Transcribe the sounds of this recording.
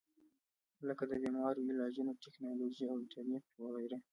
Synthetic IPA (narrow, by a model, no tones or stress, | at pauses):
ləkad̪əbimwɑɾoɪlɑd͡ʒunot̪eknɑlod͡ʒiawɪt̪aɾnifwəɣajɾe